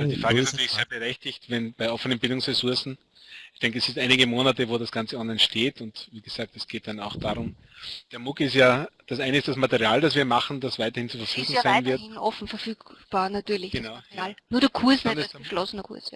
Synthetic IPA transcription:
adiːfʁaːɡəɪstnatyːɐɪçseːɐbəʁɛçtɪçtvɛnbaɪʔɔfənənbɪldʊŋsʁesʊɐsn̩ | ɪçd̥ɛ̃ŋkəɛsɪtʔaɪnɪɡəmoːnatəvoːɾasɡ̥ant͡səʔɔnlæɪnʃteːtʰʊntviːɡəz̥aːk̚tɛsɡ̥eːt̚d̥anaʊxd̥aːʁʊm | d̥eːɐmʊkɪstjaːd̥asʔaɪnəɪstd̥asmatəʁiaːldasv̥iːɐmaχn̩d̥asvaɪtɐhɪnt͡sufɐfyːɡʊŋŋsaɪɪnvɪɐtɪnɔfn̩fɛɐfyːkb̥aːɐnatyːɐlɪçɡ̥ənaʊjaːlnuɐd̥ɛɐkʰuɐsnʃlɔsənɐkʰṵɐsa

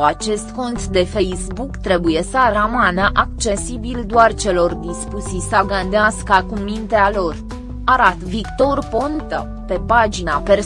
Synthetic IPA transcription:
at͡ʃe̞st̪ko̞nt̪d̪e̞fe̞jsbukt̪ɾe̞buje̞səaramanəʔakt͡ʃe̞sibild̪oart͡ʃe̞lo̞rd̪ispusisaɡand̪easkəakumint̪ealo̞r | aɾat̪vikt̪o̞rpont̪ə | pe̞pad͡ʒinape̞r

